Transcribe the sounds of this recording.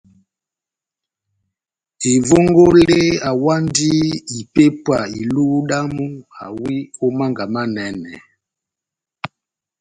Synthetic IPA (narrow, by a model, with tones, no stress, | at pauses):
i˨vo˦ŋɡo˦le˦a˨wa˦ndi˦i˨pe˦pwa˨i˨lu˦ɗa˦mu˦a˨wi˦o˦ma˦ŋɡa˨ma˦nɛ˨nɛ̰˨